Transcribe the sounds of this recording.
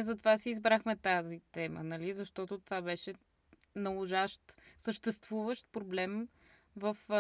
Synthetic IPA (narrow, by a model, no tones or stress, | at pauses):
zɐt̪ovasiːzbɾaxmɛt̪azit̪ɛmə̰nɐlizɐʃt̪ɔt̪ot̪ovabɛʃɛ | nɐlˠoʒaʃt̪səʃt̪ɛst̪vuvəʃt̪̚pɾoblɛm | vəf